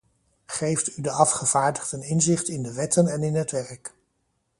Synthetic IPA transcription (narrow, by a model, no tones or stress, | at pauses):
χejftydəɑfχəv̥aːɹdəχdənɪnzɪχtɪndəʋɛtənɛnɪnɦətʋɛrk